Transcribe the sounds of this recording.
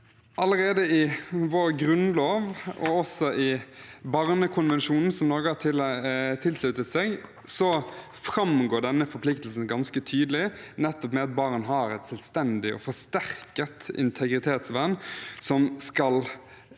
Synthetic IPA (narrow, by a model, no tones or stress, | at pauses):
ʔɑləɾeːd̪əɪʋoːɾɡɾʉnloːʋɔ̰ɔsɔʔɪbɑɾnəkʰʊnʋɛnʃuːnn̩sɔmnɔːɾɡəhɑtʰɪlt̪ʰɪlslʉt̪ət̪seːɡ | sɔ | fɾɑmɡoːɖɛnːəfɔɾpʰlɪkt̪lsn̩ɡɑnskət̪ʰyːd̪əlɪnɛt̪ːɔpmɛɑt̪̚bɑʁnɦɑːɾɛt̪sɛlst̪ɛnd̪ɪʔɔ̰fɔʂt̪æʁkət̪ɪ̰nt̪ʰɛɡɾɪt̪ʰeːt̪sʋænsɔmskɑl